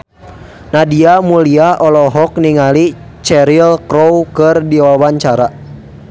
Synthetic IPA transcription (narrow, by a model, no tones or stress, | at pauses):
nadiamuliaɔlɔɦɔk̚niŋali | t͡ʃɛɾilkɾɔwkɨrdiwawaɲt͡ʃaɾa